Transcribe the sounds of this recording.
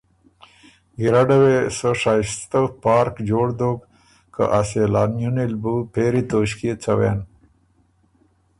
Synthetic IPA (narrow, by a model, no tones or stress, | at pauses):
ɡiɾaɖawesoʂajst̪əpɑːɾkd͡ʒoːɽd̪oɡ | kə̰ʔaselɑːnjunilbupeɾit̪oːɕkit͡sawḛn